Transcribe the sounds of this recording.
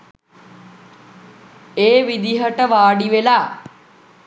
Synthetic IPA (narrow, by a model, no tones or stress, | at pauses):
eːʋid̪iɦəʈəʋaːɖiʋelaː